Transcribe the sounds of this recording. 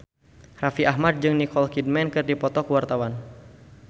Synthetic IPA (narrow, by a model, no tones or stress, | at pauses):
rafiʔaɦmad̪̚d͡ʒɨŋnikɔlkid̚mɛnkɨrdipɔt̪ɔkəwart̪awan